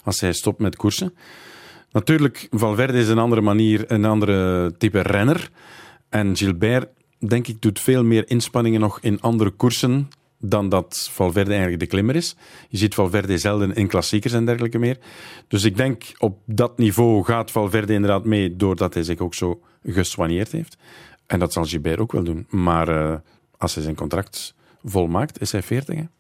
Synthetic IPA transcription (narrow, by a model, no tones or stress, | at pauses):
ɑlˠshɛjstɔp̚tmɛtkursən | nɑtyːrləkvɑlˠvɛrdəɪs̬ənɑndəɾəmaniːrənɑndəɾətipərɛnər | ʔɛnʒilˠbɛr | dɛŋkɪɡ̚dutfeːlˠmɪːɾɪnspɑnɪŋənːɔxɪnɑndəɾəkursən | dɑndɑtv̥ɑlˠvɛrdəɛɣənləɡ̚dəklɪməɾɪs | jəzitfɑlˠvɛrd̪əzɛlˠdənɪnklɑsikərsɛndɛrɣələkəmɪːrd̥ɵsɪɡ̚dɛŋkɔp̚dɑtnivoːɣaːtfɑlˠvɛrd̪əɪndəɾrdaːtmeːdoːrdɑtɦɛjzɪxoːksoː | ɣəswanjeːrtɦeːft | ʔɛndɑtsɑlˠʒilbɛɾʔoːkʋɛ̰lˠdunmaːrə | ɑlˠsɦɛjzɛjnkɔnt̪rɑk̚t | vɔlˠmaːktɪsɦɛjfɪːrtɪ̰xɛ